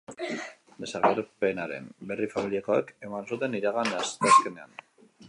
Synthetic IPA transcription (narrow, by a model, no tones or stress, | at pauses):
d̪e̞saɾkaɾpe̞naɾe̞̰mbe̞rifamilieko̞eke̞mansut̪e̞niɾaɣanast̪easke̞ne̞an